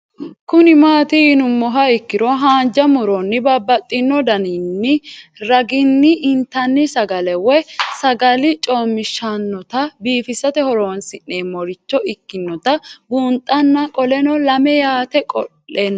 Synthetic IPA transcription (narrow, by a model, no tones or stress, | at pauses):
kʊnɪmaːt̪ɪːnʊmːɔɦɐɪkːɪɾɔɦaːnd͡ʒɐmʊɾɔnːɪbabːɐt̪ʼːɪnːɔd̪ɐnɪnːɪɾɐɡɪnːɪʔɪnt̪ːɐnːɪsɐɡɐlɛwɛsɐɡɐlɪt͡ʃʼoːmːɪʃːɐnːɔt̪ɐbiːfɪsːɐt̪ɛhɔɾoːnsɪnːeːmɔɾɪt͡ʃːɔʔɪkːɪnːɔt̪ɐbuːnt̪ʼːɐnːɐkʼɔlɛnɔlɐmɛjaːt̪ɛkʼɔ̰lːeːn